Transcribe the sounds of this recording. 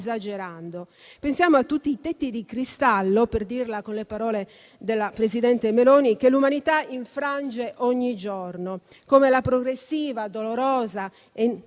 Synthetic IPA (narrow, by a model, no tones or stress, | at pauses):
zad͡ʒeɾand̪o | pensjaːmoat̪ːut̪ːiːt̪et̪ːid̪ikɾist̪alːoperd̪irlakonlepaɾɔːle | d̪elːapɾezid̪ɛnt̪emelɔːnikelːumanit̪aiɱfɾand͡ʒeʔɔɲːid͡ʒɔrno | komelapɾoɡɾesːiːvad̪oloɾɔːza | e